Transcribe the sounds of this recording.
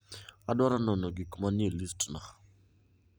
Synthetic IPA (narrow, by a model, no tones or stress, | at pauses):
adwaɾanɔnɔɡikmanielistnaχ